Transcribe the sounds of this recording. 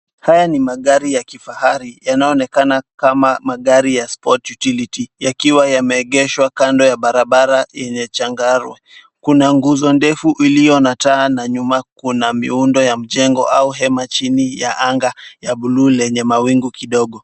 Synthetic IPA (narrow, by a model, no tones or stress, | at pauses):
hajanimaɠaɾijakifahaɾijanaɔnɛkanakamamaɠaɾijaspɔtjutilitijakiwajamɛːɠɛʃwakandɔjaɓaɾaɓaɾajɛɲɛt͡ʃaŋɡaɾwɛ | kunaŋɡuzɔndɛfuʔilijɔnataːnaɲumakunamḭundɔjam̩ʄɛŋɡɔ̰ʔauɦɛmat͡ʃinija̰ʔaŋɡajaɓuluːlɛɲɛmawiŋɡukiɗɔɠɔ